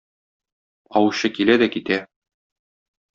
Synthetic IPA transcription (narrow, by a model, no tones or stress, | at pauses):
ɒwuɕɤkilæd̪ækit̪æ